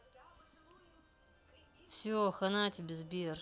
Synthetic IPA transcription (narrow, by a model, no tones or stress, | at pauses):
fsʲoxɐnatʲbʲɪzbʲir